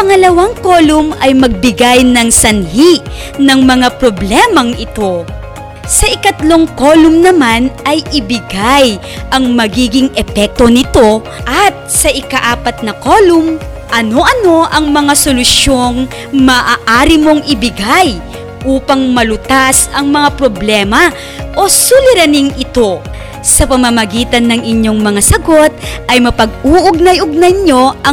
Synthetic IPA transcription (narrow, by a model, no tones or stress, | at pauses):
pɐŋɐlɐwaŋko̞ːlʊmɐjmɐɡ̚bɪɡajnɐŋsɐnhiʔ | nɐŋmɐŋapɾoblɛmɐŋʔɪt̪o̞ | sɐʔɪkɐt̪lo̞ŋko̞lʊmnɐmanʔɐjɪbɪɡaj | ʔɐŋmɐɡiːɡɪŋɛpɛk̚t̪o̞nɪt̪o̞ | ʔɐt̪̚sɐʔɪkɐʔaːpɐt̪̚nɐko̞ːlʊm | ʔɐno̞ʔɐno̞ʔɐŋmɐŋasolʊsjo̞ŋ | mɐʔaːʔaːɾɪmo̞ŋʔɪbɪɡaj | ʔuːpɐŋmɐlʊt̪asɐŋmɐŋapɾoblɛːmɐ | ʔo̞sʊlɪɾɐnɪŋɪt̪o̞ | sɐpɐmɐmɐɡiːt̪ɐnːɐŋɪɲjoŋmɐŋasɐɡo̞t̪̚ʔɐjmɐpɐɡ̚uːʔʊɡ̚nɐjʔʊɡ̚nɐjɲo̞ʔɐ